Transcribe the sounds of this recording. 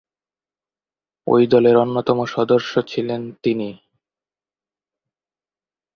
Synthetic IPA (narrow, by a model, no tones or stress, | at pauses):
o̰jd̪ɔleɾonːot̪ɔmoʃɔd̪oɾʃot͡ɕʰilent̪ini